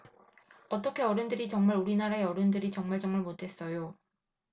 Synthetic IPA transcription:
ʌt͈ʌkʰe̞ʌɾɯndɯɾit͡ɕʌŋmaɾuɾinaɾaeʌɾɯndɯɾit͡ɕʌŋmaɭd͡ʑ͈ʌŋmɯɭmotʰe̞s͈ʌjo

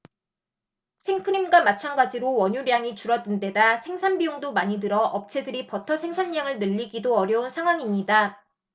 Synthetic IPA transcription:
sʰeŋkʰɯnimɡwamat͡ɕʰanɡad͡ʑiɾowʌɲuɾjaŋit͡ɕuɾʌdɯnde̞dasʰe̞ŋsʰanbioŋdomaɲidɯɾʌʔʌp̚t͡ɕʰe̞dɯɾipʌtʰʌsʰe̞ŋsʰanɲaŋɯɭnɯʎːiɡidoʌɾjʌunsʰaŋɦwaŋimɲida

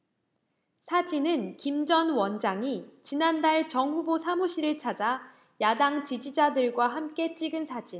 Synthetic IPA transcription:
sʰad͡ʑinɯnkimd͡ʑʌnwʌnd͡ʑaŋit͡ɕinandaɭt͡ɕʌŋɦubosʰamuɕʰiɾɯɭt͡ɕʰad͡ʑa | jadaŋt͡ɕid͡ʑid͡ʑadɯɭɡwaɦamk͈e̞t͡ɕ͈iɡɯnsʰad͡ʑin

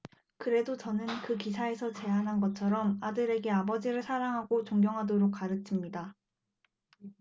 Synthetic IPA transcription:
kɯɾe̞dot͡ɕʌnɯnkɯk̬isʰae̞sʰʌt͡ɕe̞anɦanɡʌt͡ɕʰʌɾʌmadɯɾe̞ɡe̞abʌd͡ʑiɾɯɭsʰaɾaŋɦaɡot͡ɕoŋɡjʌŋɦadoɾok̚k͈aɾɯt͡ɕʰimɲida

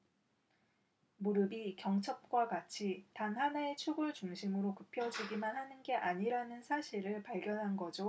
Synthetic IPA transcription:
muɾɯbikjʌŋt͡ɕʰʌp̚k͈wakat͡ɕʰitaŋɦanaet͡ɕʰuɡuɭt͡ɕuŋɕʰimɯɾokɯpʰjʌd͡ʑiɡimanhanɯnɡe̞ʔaɲiɾanɯnsʰaɕʰiɾɯɭpaɭɡjʌnɦanɡʌd͡ʑo

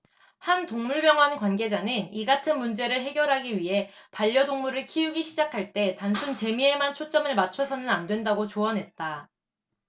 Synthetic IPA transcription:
hantoŋmuɭbjʌŋɦwankwanɡe̞d͡ʑanɯniɡatʰɯnmund͡ʑe̞ɾɯɭɦe̞ɡjʌɾɦaɡiɥiɦe̞paʎːʌdoŋmuɾɯɭkʰijuɡiɕʰid͡ʑakʰaɭt͈e̞tansʰunt͡ɕe̞mie̞mant͡ɕʰot͡ɕ͈ʌmɯɭmat͡ɕʰʌsʰʌnɯnandwe̞ndaɡot͡ɕoʌnɦe̞t̚t͈a

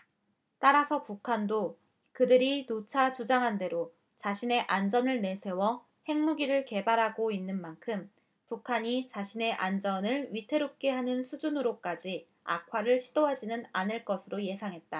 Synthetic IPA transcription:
t͈aɾasʰʌpukʰando | kɯdɯɾinot͡ɕʰat͡ɕud͡ʑaŋɦande̞ɾo | t͡ɕaɕʰine̞ʔand͡ʑʌnɯɭne̞sʰe̞wʌ | he̞ŋmuɡiɾɯɭke̞baɾɦaɡoinːɯnmankʰɯm | pukʰaɲit͡ɕaɕʰine̞ʔand͡ʑʌnɯɭɥitʰe̞ɾop̚k͈e̞ɦanɯnsʰud͡ʑunɯɾok͈ad͡ʑi | a̰kʰwaɾɯɭɕʰidoɦad͡ʑinɯnanɯɭk͈ʌsʰɯɾoje̞sʰaŋɦe̞t̚t͈a

